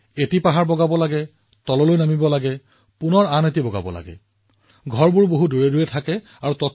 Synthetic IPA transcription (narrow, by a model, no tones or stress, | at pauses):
etipaɦaɹbɔɡabɔlaɡɛ | tɔlɔlojnamibɔlaɡɛ | punɔɹanet̬ibɔɡa̰bɔ̰la̰ɡɛ̰ | ɡʱɔɹbuɹboɦuduɹeduɹɛtʰakɛ | aɹutɔt